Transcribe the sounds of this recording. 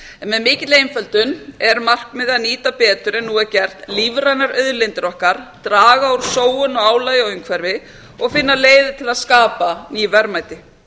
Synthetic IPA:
ɛnmɛðmɪːcɪt̪lejnfɛlt̪ʏnɛɾmar̥kmɪðaðniːt̪apɛːt̪ʏɾɛnːuɛɾcɛr̥t̪livɾajnaɾœðlejnt̪ɪɾɔhkaɾ̥t̪ɾaːɣauɾ̥soːwʏnɔaːwlaːjɔʏŋkʰvɛɾvɪ | ɔɣfɪnːaleːjðɪt̪ʰɪlaðskaːpaniːvɛɾmajt̪ɪ

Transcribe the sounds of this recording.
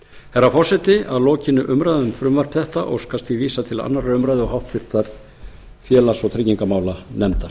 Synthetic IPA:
hɛɾafɔr̥sɛt̪ɪaðlɔːcɪnːʏʔʏmɾajðʏmfɾʏmvar̥pθɛht̪aʔɔ̰ɣskast̪iviːsat̪ʰɪla̰nːaraʏmɾajðɪɔhawht̪fɪɾ̥t̪aɾ̥ | fjɛːlasɔɣt̪ʰɾɪciŋkamaːwlanɛmt̪a

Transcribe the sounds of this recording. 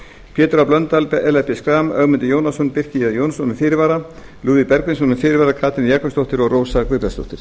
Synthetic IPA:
pʰjɛːt̪ɾaplœnt̪alpɛɛlɛfpɛskɾaːmœɣmɪnt̪ɪjoːwnasɔnpɪr̥cijɛðjownsɔnʏfɪːɾɪvaːɾa | luːðɪpɛɾkvɪnsɔnʏmfɪːɾɪvaɾakʰaːt̪ʰɪnjɛkvʏst̪owht̪ɪɾɔɣroːwsakvɪɾast̪o̰ht̪ɪɾ̥

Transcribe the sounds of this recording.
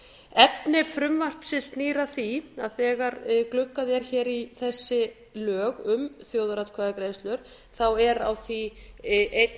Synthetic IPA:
ɛpnɪfɾʏmvar̥psɪst̪niːɾaθia̰ðθɛːɣaɾklʏkːaðɛɾ̥çɛːɾiθɛsːɪ | lœːɣʏmθjoːwðaɾat̪kʰvaːðakɾeːjst̪lʏɾ̥ | θawɛɾawθiʔejt̪

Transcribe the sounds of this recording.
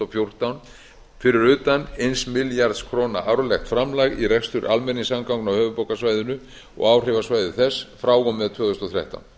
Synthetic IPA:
afjowr̥t̪awn | fɪɾɪɾʏːt̪anejnsmɪljaɾt̪skʰɾoːna̰ʔawɾlɛxt̪fɾamlaɣirɛkst̪ʏɾʔa̰lmɛniŋsamkawŋknawhœːvʏpowkasvaːjðʏnʏ | ɔ̰ɣaːwr̥ɪvasvaːjðʏθɛsːfɾaːwɣɔmvɛðt̪ʰvœːɣðʏst̪ɔθɾja̰ht̪a̰wn

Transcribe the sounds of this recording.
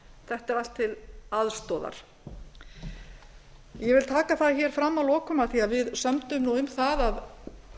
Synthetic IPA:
θɛht̪ɛɾal̥t̪ʰːɪlaðst̪ɔːða̰ɾ̥ | jɛvɪlt̪ʰaːkaθaðçɛɾ̥fɾamːawlɔːkʏmaθiaðvɪðsœmt̪ʏmnuʏmθaðað

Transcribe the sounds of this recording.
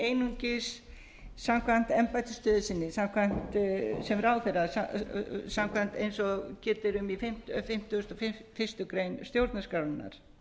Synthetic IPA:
eːjnuɲcɪs | samkʰvan̥t̪ɛmpajt̪ɪst̪œːðɪsɪnːɪsamkʰvan̥t̪sɛmraːwθɛjɾasasamkʰvan̥t̪ejnsɔcɛːt̪ɪɾʏmifɪm̥t̪fɪm̥t̪ʏʏst̪ɔfɪfɪst̪ʏkɾejnst̪jowɾt̪naskɾawðɪnːa̰ɾ̥

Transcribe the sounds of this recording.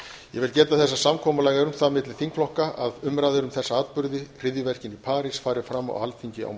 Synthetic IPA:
jɛ̰vɪlcɛːt̪aθɛsːasamkʰɔːmʏlaːjɣaɾʏmθaðmɪt̪lɪθiŋkflɔhkaaðʏmɾaðɪɾʏmθɛsːaaːt̪pʏɾðɪr̥ɪðjʏvɛr̥cɪnipʰaːɾɪsfaːɾɪfɾamːa̰walt̪fʰiɲcɪa̰w

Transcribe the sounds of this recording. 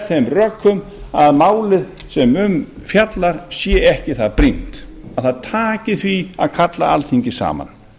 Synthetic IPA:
θemrœkʰːʏm | aðmaːwlɪð | sɛmʏmfjat̪laɾ̥sjɛːɛhcɪθaðpɾin̥t̪aðθaðt̪ʰaːcɪθvia̰ðkʰat̪la̰ʔa̰lθiɲcɪsa̰ːma̰n

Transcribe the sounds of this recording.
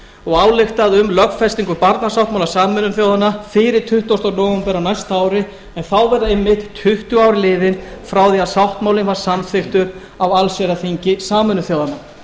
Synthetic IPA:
ɔɣaːwlɪxt̪aðʏmlœkfɛst̪iŋkʏpaɾt̪nasawht̪mawlasaːmʏnʏnθjoːwðanːafɪɾɪɾt̪ʰʏht̪ɔwst̪ɔɾnɔːɣʏmpɛɾawnajst̪aaːwɾɪ | ɛnθawvɛɾðaejmːɪht̪t̪ʰʏht̪ʏaːwɾɪlɪːðɪnfɾawðiaðsawht̪mawlɪnvaɾ̥samθɪxt̪ʏɾ | awalsɛɾaθiɲcɪsaːmʏnʏθjoːwðanːa

